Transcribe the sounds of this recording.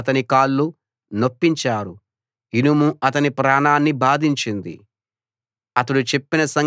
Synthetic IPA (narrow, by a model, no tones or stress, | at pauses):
ɐt̪ɐnikaːlːu | no̞pːiɲt͡ʃaːɾu | inumuʔɐt̪ɐnipɾaːnaːnːibaːd̪ʱiɲt͡ʃind̪ḭ | ɐt̪ɐɽut͡ʃe̞pːinɐsɐŋ